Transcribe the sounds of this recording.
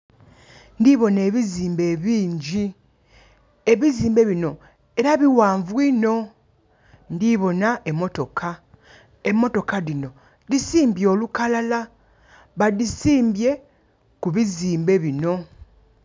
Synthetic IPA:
ndiβo̞ne̞ːβiziːmbe̞βiːɲɟi | eβiziːmbe̞βino̞ | e̞ɾaβiwaːɱvwino̞ | ndiβo̞naemːo̞to̞kʰa | e̞mːo̞to̞kaðino̞ | disiːmbjo̞ːlukalala | βaðisiːmbje̞ | kuβiziːmbe̞βino̞

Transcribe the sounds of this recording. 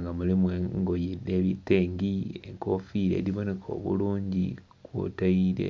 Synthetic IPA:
ŋɡamulimweŋɡojide̞βite̞ːŋɡieŋko̞fiɾe̞̰ːɾiβo̞ne̞kʰo̞̰ːβṵluːɲɟḭ | kwo̰taiɾḛ

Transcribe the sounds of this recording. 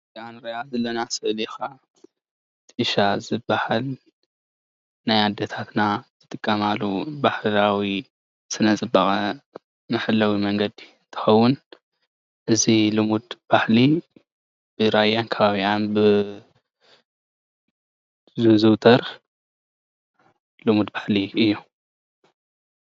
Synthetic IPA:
anɾɐjazɐlːɐnasɨʔlixa | t̪ʰʼɨɨʃazɨbːahal | najad̪ːɐt̪ʰat̪naz̥ɨt̪ʼɨkʼːɐmalːubaħlawi | sɨnɐzɨbːaxʼɐ | mɨħɨlːawimɐŋɡɐd̪iɨnt̪ʰɨ̥xɐwːʊn | ʔɨzilɨmud̪b̥aħli | b̥ɨɾajankʰɐβaβianbɨ | zɨzɨwt̪ʰɐɾ | lɨmud̪baħliɨjːu

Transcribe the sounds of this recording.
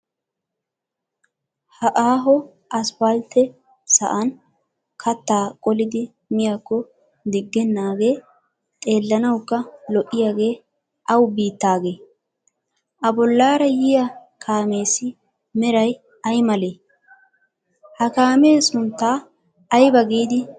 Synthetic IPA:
hɐʔaːɦɔ | ʔɐsbalt̪ːɛ | sɐ̰ʔɐn | kʰɐt̪ːaːkʼɔlɪd̪ɪ | mɪjakːɔ | d̪ɪɡːɛnːaːɡe̞ː | t̪ʼe̞ːlːɐnɐwkːɐlɔʔːɪjaːɡe̞ː | ʔɐwbiːt̪ːaːɡe̞ː | ʔɐbɔlːaːɾɐjɪjɐ | kʰaːme̞ːsɪ | mɛɾɐj | ɐjmɐle̞ː | hɐkaːmeːsʊnt̪ːaː | jbɐɡiːd̪ɪ

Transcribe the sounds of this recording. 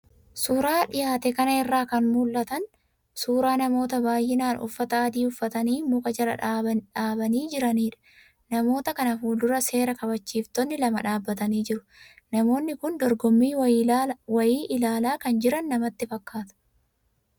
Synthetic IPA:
suːɾaːᶑɪjaːt̪ɛkɐnɐɪrːaːkɐnmuːlʔɐt̪ɐn | suːɾaːnɐmo̞ːt̪ɐbaːjːɪnaːnʔʊ̰fːɐt̪ɐːd̪iːʊfːɐt̪ɐniːmʊkʼɐd͡ʒɐlɐ̰ᶑaːbɐniːd͡ʒɪɾɐniːᶑɐ̥ | nɐmo̞ːt̪ɐkɐnɐfuːld̪ʊɾɐse̞ːɾɐkɐbɐt͡ʃːiːft̪ɔnːɪlɐmɐᶑaːbːɐt̪ɐniːd͡ʒɪɾʊ | nɐmo̞ːnːɪkʊnd̪ɔɾɡɔmːiː | wɐjiːʔɪlaːlaːkɐnd͡ʒɪɾɐnːɐmɐt̪ːɪfɐkːaːt̪ʊ̥

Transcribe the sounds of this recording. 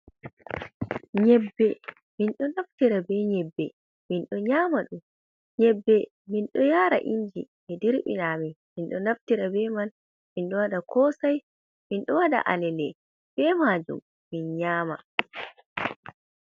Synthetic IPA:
ɲɛbːɛ | minɗɔnaftiɾabɛɲɛbːɛ | minɗɔɲaːmaɗum | ɲɛbːɛ | minɗɔjaɾa̰ʔind͡ʒḭ | ɛdiɾɓḭnaminminɗɔnaftiɾabɛmal | minɗɔwaɗakʰɔsaj | minɗɔwada̰ʔa̰lɛlɛ | b̥ɛmad͡ʒṵmː | inɲaːma

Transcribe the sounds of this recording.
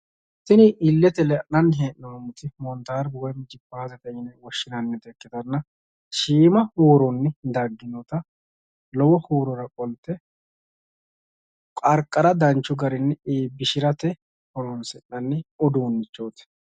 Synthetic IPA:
sɪnɪɪlːɛt̪ɛlɛʔnːɐnːɦeːʔnɐɐmʊt̪ɪmɔnt̪aːɾbwɔjmd͡ʒɪpːaːzɛt̪ɐɪnɛwɔʃːɪnɐnːɛt̪ɛkːɪt̪ɐnːɐ | ʃiːmɐhoːɾɔnːɛd̪ɐɡːɪnɔt̪ɐ | lɔwɔhoːɾɔɾɐkʼɔlt̪ːɛ | kʼɐɾkʼːɐɾɐd̪ɐnt͡ʃːʊɡɐɾɪnːɛeːbːɪʃɪɾɐt̪ɛ | hɔlɔnsɛʔːɐnːɛɔd̪oːnːɪt͡ʃːoːt̪ɛ̥

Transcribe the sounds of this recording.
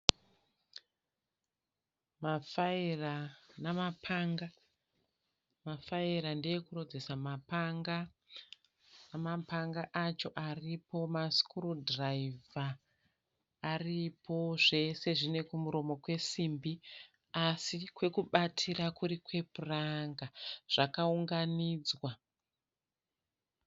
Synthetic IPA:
mafairanamapʰaːŋɡa | mafaiɾandejekurod͡zesamapaŋɡa | namapaŋɡaʔat͡ʃo̞ʔaripo̞maskurodraiva | ripʰo̞ʐe̞se̞ʐine̞kumuɾo̞mo̞kwe̞simbi | asikwe̞kuɓatʰirakuɾikwe̞puraŋɡaʐ̥akauŋɡaniːd͡zwa

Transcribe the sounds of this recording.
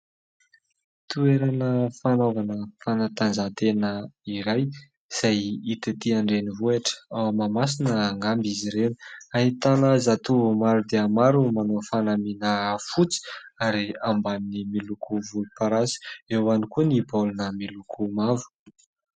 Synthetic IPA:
t̪ueɾanəfanovanəfanat̪anzat̪enəiɾaj | z̥ajit̪et̪iaɳɖ͡ʐenivueʈ͡ʂə̥awmamas̬inəːŋambiziɾeni̥aɦit̪anazat̪umaɾud̪eamaɾumanofanaminəfut͡si̥aɾiambaninimilukuvulupaɾasi̥ewanikunibalunəmilukʰumavu̥

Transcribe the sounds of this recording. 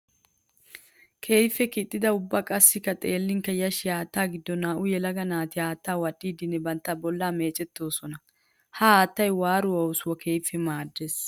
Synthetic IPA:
kʰe̞ːjfːɛkɪt̪ʼːɪd̪ɐʊbːakʼɐsːɪkːɐt̪ʼeːlːɪŋkɐjɐʃɪaːt̪ːaːɡɪd̪ːɔnaːʔʊjɛlɐɡɐnaːt̪ɪaːt̪ːaːwɐɗːiːd̪ɪnːɛbɐnt̪ːɐbɔlːaːme̞ːt͡ʃʼɛt̪ːo̞ːsɔnɐ | hɐaːt̪ːɐjwaːɾʊwɐʊsʊwɐkʰe̞ːfːɛmaːd̪ːes

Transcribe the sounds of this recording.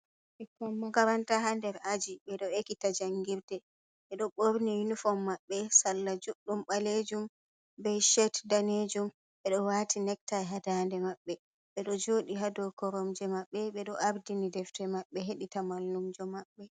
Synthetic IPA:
ʔɛkɔmːaɡaɾantaɦandɛɾad͡ʒiɓɛɗɔekitad͡ʒaŋɡiɾdɛ | ɓɛɗɔɓoɾnijunifɔmːaɓːɛsalːad͡ʒuɗːumɓaled͡ʒum | bɛjʃɛtdaned͡ʒum | ɓɛɗɔwatʰinɛk̚tajɦadandɛmaɓːɛ | ɓɛɗɔd͡ʒoɗiɦadɔkɔɾɔmd͡ʒɛmaɓːɛɓɛɗɔʔaɾdinidɛftɛmaɓːɛɦeɗitamalːumd͡ʒɔmaɓːɛ

